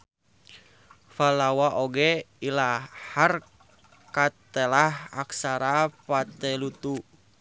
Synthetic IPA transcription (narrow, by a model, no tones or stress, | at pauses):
falawaʔoɡɛ | ilahar | kat̪ɛlaɦa̰ksaɾapat̪ɛlut̪u